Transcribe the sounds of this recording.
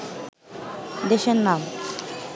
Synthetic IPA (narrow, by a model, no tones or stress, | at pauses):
d̪eʃeɾnam